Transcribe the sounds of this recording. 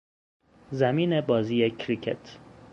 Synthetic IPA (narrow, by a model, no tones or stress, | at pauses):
zæmiːnebɒːziːecʰɾicʰḛt̪ʰ